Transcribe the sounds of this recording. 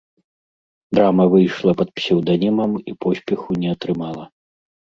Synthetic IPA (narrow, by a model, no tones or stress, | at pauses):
d̪ɾamɐvɨjʂlˠɐpɐt̪̚psʲɛwd̪anʲimɐmipɔsʲpʲɛxunʲɛɐt̪ɾɨmalˠɐ